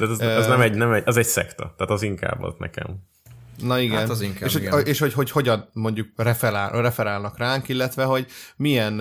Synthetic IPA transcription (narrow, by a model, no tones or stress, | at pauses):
t̪aːt̪ɛzɛznɛmɛɟnɛmɛɟɛzɛcsɛ̰kt̪ɒ̰t̪aːt̪ɒziŋka̰ːbɔ̰t̪nɛ̰kɛ̰m | nɒiɡɛnziŋkeːʃhoeːʃho̞cɦo̞cho̞ɟɒnmo̞ɲɟuk̚rɛfɛɾaːlrɛfɛɾaːlnɒkraːŋkilːɛt̪ʋɛɦo̞ɟmijɛn